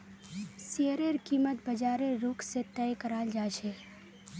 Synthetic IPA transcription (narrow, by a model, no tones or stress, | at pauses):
seəɾeɾkiːmət̪̚bəd͡ʒaːɾeɾuːkʰset̪ɛːjkəɾaːld͡ʒaːt͡ʃʰeː